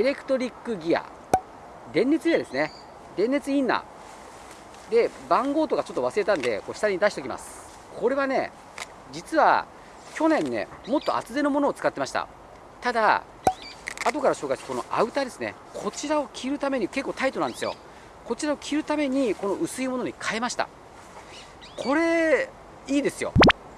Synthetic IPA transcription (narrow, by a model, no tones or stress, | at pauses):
eɾe̞kɯ̟̥t̪o̞ɾʲikːɯ̟ɡʲia̰ | d̪ẽ̞nːe̞t͡sɨɡʲiad̪e̞sɨne | d̪ẽ̞nːe̞t͡sɨĩnːa̰ | d̪e̞ | bãŋɡo̞ːt̪o̞ɡat͡ɕo̞t̪ːo̞βasɨɾe̞t̪ãnd̪e̞̰koːɕi̥t̪aɲ̟id̪aɕi̥t̪o̞kʲima̰sɨ̥ | kʰo̞ɾe̞βane̞̰ | d͡ʑit͡sɨβa̰ | kʲo̞nẽnːe̞̰mo̞t̪ːo̞̰ʔa̰t͡sɨd̪e̞no̞mo̞no̞ːt͡sɨ̥kat̪ːe̞maɕi̥t̪a̰ | t̪ad̪a | at̪o̞kaɾaɕo̞ːɡaise̥ko̞no̞̰ʔaɯ̟t̪ad̪e̞sɨne̞̰ | kʰo̞t͡ɕiɾao̞kʲʰiɾɯ̟t̪ame̞ɲ̟ike̞kːo̞ːt̪ait̪o̞nãnd̪esɨjo̞̰ | ko̞t͡ɕiɾao̞kʲʰiɾɯ̟t̪ame̞ɲ̟iko̞no̞ʔɯ̟sɨimo̞no̞ɲ̟ikʰae̞maɕi̥t̪a̰ | kʰo̞ɾe̞ | iːd̪e̞sɨjo̞̰